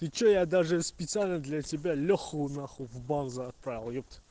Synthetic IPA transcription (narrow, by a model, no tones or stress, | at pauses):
t̪ɨt͡ɕojad̪aʐɨspʲɪt̪sɨalʲnəd̪lʲatʲɪbʲalʲɔxəʊnaχʊvbanzɨɐt̪̚pɾavʲɪlˠjɔpt̪